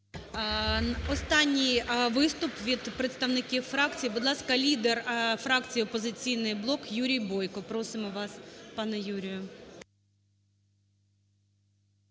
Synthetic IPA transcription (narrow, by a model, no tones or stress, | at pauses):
ɔst̪ɑnʲːijʋɪst̪ʊpʋʲid̪pɾet̪st̪ɐʋnɪkʲiwfɾɑkt͡sʲijibʊd̪lˠɑskɐlʲid̪erfɾɑkt͡sʲijiɔpɔzɪt͡sʲijnɪjblˠɔkjuɾʲijbɔjkɔpɾɔsɪmɔʋɑspɑnɛjuɾʲijʊ